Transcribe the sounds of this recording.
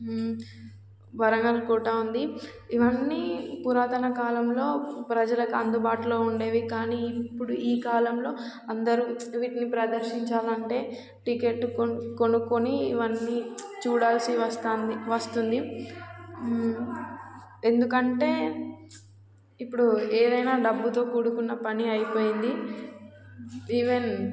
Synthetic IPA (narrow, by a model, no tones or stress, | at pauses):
bɐɾɐŋɡɐlukuːʈɐund̪i | iʋɐnːiːpuɾaːt̪ɐnɐkaːlɐmlo̞ːpɾɐd͡ʒɐlɐkuɐnd̪ubaːʈlo̞ːuɳɖe̞ːʋikaːniːpːuɽuʔiːkaːlɐmlo̞ː | ɐnd̪ɐɾuʋiːʈinipɾɐd̪ɐɾʃiɲt͡ʃaːlɐɳʈe̞ː | ʈike̞ʈːkoko̞nukoniːʋɐnːit͡ʃuːɽaːlsiʋɐst̪aːniʋɐst̪und̪i | e̞nd̪ukɐɳʈe̞ː | ipːuɽueːd̪ɐjnaːɖɐbːut̪o̞ːkuːɽukunːɐpɐniɐjpoːjind̪i | iːʋen